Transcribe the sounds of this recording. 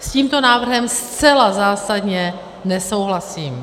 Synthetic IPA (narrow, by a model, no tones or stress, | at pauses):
sciːmt̪o̞naːvr̩ɦɛmst͡sɛlazaːsadɲɛ | nɛso̞wɦlasiːm